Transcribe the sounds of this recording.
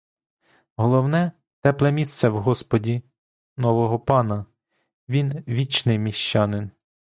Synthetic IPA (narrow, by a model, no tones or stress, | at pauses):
ɦɔlˠɔwnɛ | t̪ɛplˠɛmʲist̪sɛwɦɔspɔdʲi | nɔʋɔɦɔpɑnɐ | ʋʲinʋʲit͡ʃnɪjmʲiʃt͡ʃɑnɪn